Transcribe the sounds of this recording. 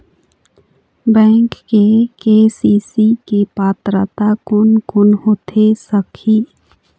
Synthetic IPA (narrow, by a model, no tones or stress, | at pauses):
bɛ̃ːŋkːekeːsiːsikepaːt̪ɾət̪akʊnkʊnɦoːt̪ʰesəkʰi